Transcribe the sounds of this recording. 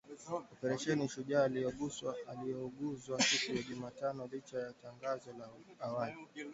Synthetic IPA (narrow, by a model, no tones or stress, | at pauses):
ɔpɛɾaʃɛniʃuʄaːlijɔɠuswaalijɔɠuzwasikujaʄumaːtanɔlit͡ʃajataŋɡazɔlaawali